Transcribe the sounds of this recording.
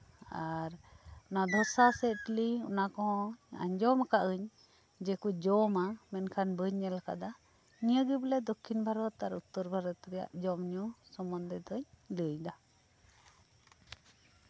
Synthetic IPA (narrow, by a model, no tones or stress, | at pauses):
aɾnad̪ʱɔsasɛʈliṵnakɔɦɔ̃a̰ɲd͡ʒɔmakaʔɯɲ | d͡ʒɛkud͡ʒɔmamɛnkʰanbəɲːɛlaka̰d̪a | nijəɡiblɛd̪ɔkʰinbʱaɾɔt̪aɾut̪ːɔɾbaɾɔt̪ɾɛja̰ʔd͡ʒɔmɲusɔmɔnd̪ɛd̪ɔɲləjd̪a